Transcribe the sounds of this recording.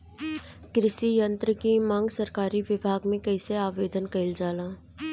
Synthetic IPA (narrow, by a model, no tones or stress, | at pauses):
kɾɪʃijə̃nt̪ɾəkimãːŋɡsɐɾkaːɾiʋɪbʱaːɡmẽkɛɪseaːʋeːd̪ʱənkɐɪld͡ʒaːlãː